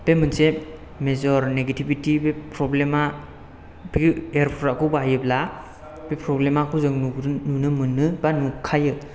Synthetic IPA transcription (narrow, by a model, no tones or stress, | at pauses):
b̥emɯnse | mezɔɾneɡetibitibepɾɔblema | biɡeɾpʰɔɾakɯbajɯbla | bepʰɾɔblemakʰuzɯŋnununɯmɯnːɯbanukʰajɯ